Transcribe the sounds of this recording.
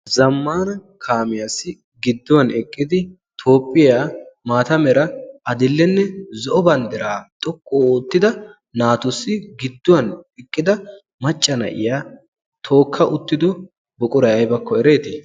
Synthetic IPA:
zɐmːaːnɐ | kʰaːmɪjasːɪ | ɡɪd̪ːɔwɐnɛkʼːɪd̪ɪ | t̪ʰo̞ːpʼːɪjaːmaːt̪ɐmɛɾɐɐd̪ɪlːɛnːɛzɔʔɔbɐnd̪ɛɾaːt̪ʼɔkʼːoːt̪ːɪd̪ɐ | naːt̪ʊsːɪɡɪd̪ːɔwɐnɛkʼːɪd̪ɐ | mɐt͡ʃʼːɐnɐ̰ʔɪ̰jaː | t̪ʰo̞ːkʰːɐʔʊt̪ːɪd̪ɔ | bɔkʼʊɾɐjɐjbɐkːɔɛɾeːt̪ɪ

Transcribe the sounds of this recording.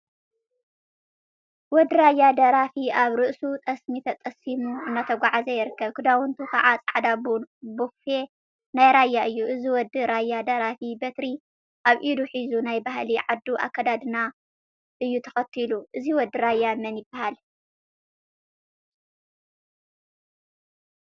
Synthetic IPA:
wɔd̪ɨɾajːad̪ɐɾafiaβɾɨʔsut̪ʼɐsmit̪ʰɐt̪ʼɐsimuɨnːat̪ʰɐɡʷaʕazɐjɪɾɨkːɐβkʰɨd̪awʊnt̪ʰukʰɐʕat͡sʼaʕd̪abbofe̞ | najɾajːaʔɨjːuʔɨziwɔd̪ːɨɾajːad̪ɐɾafibɐt̪ɾi | ʔaβʔid̪uħizunajbahliʕad̪ːuʔa̰kːɐd̪ad̪ɨna | ʔɨjːut̪ʰɐ̥xɐt̪ʰːiluʔɨziwɔd̪ːɨɾajːamɐnjɪbːahal

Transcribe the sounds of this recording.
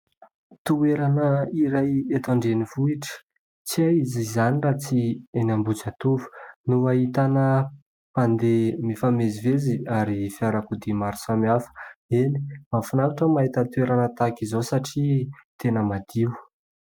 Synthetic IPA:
t̪ueɾanəiɾajet̪aɳɖ͡ʐenivuiʈ͡ʂə̥ | t͡siaizizanirat͡sienambut͡sat̪uvu̥nuaɦit̪anə | pand̪emifameziveziaɾifiaɾakud̪imaɾu̥samiafə̥eni̥mafinakuʈ͡ʂəmaɦit̪ət̪ueɾanət̪akizosaʈ͡ʂit̪enəmad̪̥iw

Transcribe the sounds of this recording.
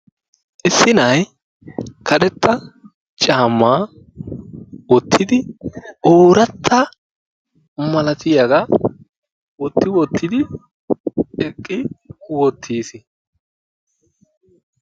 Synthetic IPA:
ʔɪsːɪnɐj | kʰɐd̪ɛt̪ʰːɐ | t͡ʃʼaːmːaː | wɔt̪ʰːɪd̪ɪoːɾɐt̪ʰːɐ | mɐlɐt̪ɪjɐɡɐ | wɔt̪ːɪwɔt̪ːɪd̪ɪ | ɛkʼːɪwɔt̪ʰːiːsɪ

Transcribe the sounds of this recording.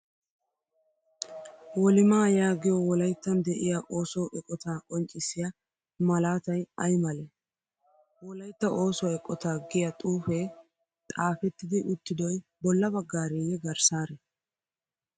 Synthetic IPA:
wɔlɪmaːjaːɡɪjɔwɔlɐjt̪ːɐnd̪ɛʔɪjaʔo̞ːsɔʔɛkʼːɔt̪aːkʼɔnt͡ʃʼɪsɪja | mɐlaːt̪ɐjɐjmɐlɛ | wɔlɐjt̪ːɐʔo̞ːsɔɛkʼːɔt̪aːɡɪjat̪ʼuːfɛ | t̪ʼaːfɛt̪ːɪd̪ɪʔʊt̪ːɪd̪ɔjbɔlːɐbɐɡːaːɾɛjɛɡɐɾsaːɾɛ

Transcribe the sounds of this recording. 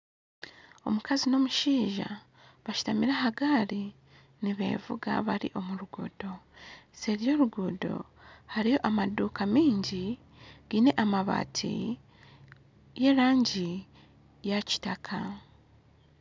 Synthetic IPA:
o̞̰mukazino̞muʃiːʒa̰ | βaʃu̥tamiɾaɦaɡaːɾi | niβe̞̰vuɡa̰βaɾḭʔo̞muɾuɡuːdo̞seɾjo̞ːɾuɡudo̞̰ | haɾijo̞ʔamaduːkamiːɲɟi | ɡ̥iːne̞ʔamaβa̰ːtʰḭ | je̞ːɾaːɲɟi | jaci̥takʰa

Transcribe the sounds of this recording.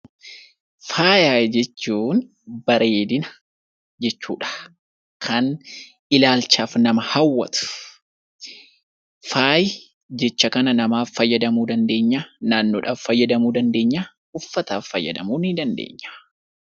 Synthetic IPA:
faːjaːjd͡ʒɛt͡ʃːuːn | bɐɾʔe̞ːd̪ɪnɐ | d͡ʒɛt͡ʃːṵːᶑɐ̥ | kʰɐn | ʔɪlaːlt͡ʃaːfnɐmɐhɐwːɐ̰t̪ʊ̥ | faːjɪ | d͡ʒɛt͡ʃːɐkɐnɐnɐmaːfːɐjːɐd̪ɐmuːd̪ɐnd̪e̞ːɲːaːnaːnːoːᶑaːfːɐjːɐd̪ɐmuːd̪ɐnd̪e̞ːɲːaː | ʊfːɐt̪aːfːɐjːɐ̰d̪ɐ̰muːnid̪ɐnd̪ḛːɲːḁ

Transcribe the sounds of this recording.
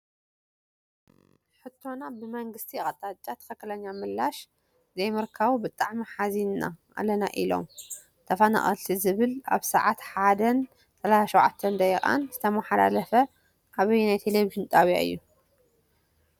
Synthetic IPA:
ħɨt̪ʰːo̞nabɨmɐŋɡɨst̪ʰiχʼɐt̪ʼat͡ʃʼːat̪ʰɐ̥xɐkːɨlɐɲːamɨlːaʃ | zɐjmɨɾkʰaβubɨt̪ʼaʕmiħazinna̰ʔa̰lɐna̰ʔilo̞̰m | t̪ʰɐfɐna̰χʼɐ̰lt̪ʰizɨβɨla̰βsɐʕat̪ħad̪ɐn | t̪ʰɐlajaʃowʕat̪ʰːɐnd̪ɐixʼa̰nzɨt̪ʰɐmɐħala̰lɐfɐ | ʔaβɐjnajt̪ʰeleviʒɨnt̪ʼaβja̰ɨ̰jːu

